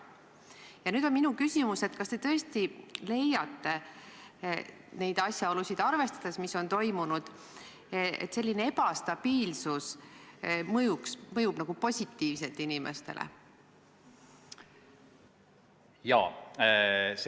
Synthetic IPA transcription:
jɑnyːd̪̥o̞nminukysʲimuse̞t̪kɑst̪e̞t̪ɤ̞est̪ile̞jːɑt̪ːe̞ | ne̞jd̪̥ɑsʲjɑo̞lusʲid̪̥ɑrve̞st̪ɑ̥d̪̥e̞smiso̞nt̪o̞jmunud̪̥ | ḛt̪se̞lʲːine̞e̞pɑst̪ɑb̥iːlsus | mɤjuksmɤjub̥nɑɡ̥upo̞sʲit̪ːiːvse̞lt̪inime̞̰st̪e̞̰lḛ | jɑ̰ː | s

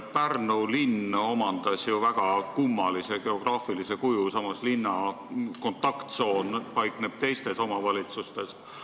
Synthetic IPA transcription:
pærnulinːo̞mɑnd̪̥ɑsjuvæɡ̥ɑkumːɑliseɡ̥e̞o̞ɡ̥rɑːfilise̞kujusɑmɑslinːɑ | ko̞nt̪ːˑɑkt̪so̞ːnpɑjkne̞b̥t̪e̞jst̪e̞so̞mɑvɑlʲit̪sust̪e̞s

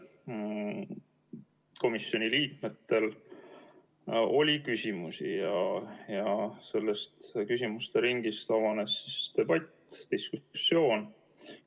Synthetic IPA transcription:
ko̞misːjo̞nʲiliːkme̞t̪ːe̞l | o̞lʲikysimusijɑjɑse̞lːe̞st̪kysimust̪e̞ɾiŋɡist̪ɑvɑne̞sːist̪e̞b̥ɑt̪ʲː | d̪̥iskuu̥sjo̞ːn

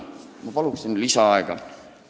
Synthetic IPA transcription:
mɑpɑluksinlːisɑɑeɡ̥ɑ̰

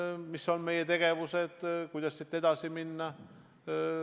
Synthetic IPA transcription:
misːo̞nme̞je̞t̪e̞ɡ̥e̞vuse̞d̪̥kujd̪̥ɑssit̪ːˑe̞d̪ɑsiminːɑ

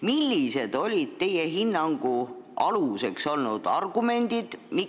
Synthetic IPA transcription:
milʲːise̞d̪̥o̞lʲid̪̥̚t̪e̞jeɦinːɑŋɡ̥uɑluse̞kso̞lnud̪̥ɑ̰rɡ̥ume̞nd̪̥id̪̥mi

